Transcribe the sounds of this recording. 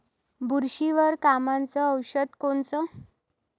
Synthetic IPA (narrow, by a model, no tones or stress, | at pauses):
bʱuɾɕiʋəɾkamãnt͡sɔːwɕəd̪koɳt͡sɔ